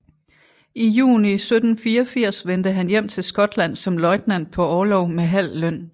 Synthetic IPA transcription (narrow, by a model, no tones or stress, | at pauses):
ijṵːnisød̥n̩fiːɐfiɐ̰sʋend̥əɦænjem̰t͡sʰe̝lsɡ̥ɒ̽d̥læn̰sɒ̽mlɒ̽ɪd̥næn̰d̥̚pʰɒ̽ɒːlɒʊmeɦæl̰ːøn̰